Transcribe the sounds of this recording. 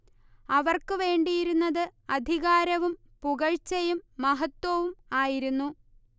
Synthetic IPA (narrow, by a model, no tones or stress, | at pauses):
ɐʋɐrkɨʋe̞ːɳɖijiɾunːɐðɨɐd̪ʱiɣaːɾɐʋum | puɣɐɻt͡ɕɐjumːɐɦɐt̪wɐʋumaːjiɾunːu